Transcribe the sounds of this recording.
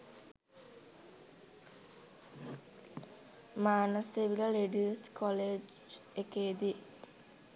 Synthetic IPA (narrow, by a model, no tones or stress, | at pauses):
maːnɐseʋilɐleɖiːskoleːd͡ʒ | ekeːd̪i